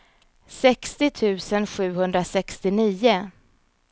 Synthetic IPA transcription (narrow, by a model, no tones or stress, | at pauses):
sɛkst̪ɪt̪ʰʉ̟ːsənɧʉ̟ːɦɵnd̪ɾasɛkst̪ɪniːʊ